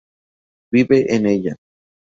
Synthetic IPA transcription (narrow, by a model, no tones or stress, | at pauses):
βiβeʔeneʎa